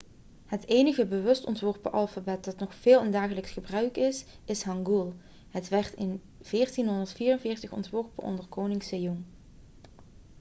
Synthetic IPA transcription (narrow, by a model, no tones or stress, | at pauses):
həteːjnəɣəbəʋɵstɔ̰ntʋɔɹpəʔɑlˠfabɛt̚d̥ɑtnɔχfeːlˠəndaːχələksχəbrœɥkɪs | ɪsɦɑŋɡulˠ | ɦətʋɛɹtɪn | v̥ɪːɹtinɦɔndəɹtfiːrənvɪːɹtəχɔ̰ntʋɔɹpəʔɔ̰ndərkownɪŋsejuŋ